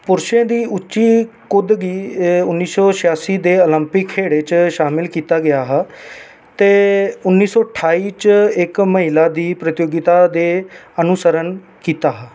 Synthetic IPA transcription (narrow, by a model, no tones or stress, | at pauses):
pʊɾʃẽːd̪iːʔʊtːʃiː | kʊd̪ɡiːʊnːiːsɔːʃɪjaːsiːd̪eːoləmpɪkʰːeːɽeːt͡ʃʃaːmɪlkiːt̪aːɡɪjaːɦaː | t̪eːʊnːiːsɔːʈʰaːiːt͡ʃɪkməɦilaːd̪iːpɾət̪ɪjoːɡɪt̪aːd̪eːənʊsəɾən | kiːt̪aːɦaː